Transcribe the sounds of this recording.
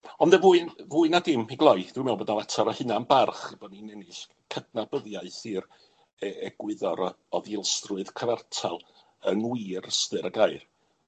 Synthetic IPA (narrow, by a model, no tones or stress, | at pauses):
ɔnðɛvuːɨnvuːɨnadɪmiɡlˠɔjd̥wɪmɛwlbɔdnalˠɛtʰɔɾɔhɨnanbarχb̥ɔninɛnɪɬ | kʰədnabəðjaɨθiːr | ɛɛɡ̥wɪðɔɾ | ɔðɪlˠstrʊɨðkʰəvartʰalˠ | əŋwiːrstɨɾəɡajr